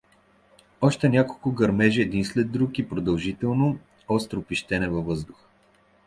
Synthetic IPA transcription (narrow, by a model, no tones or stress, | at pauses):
ɔʃt̪ɛnʲakolˠkʊɡɐɾmɛʒɛːd̪inslɛd̪ːɾukipɾod̪ɐlˠʒit̪ɛlˠno | ɔst̪ɾopiʃt̪ɛnɛvɐvɤzd̪ʊxə̥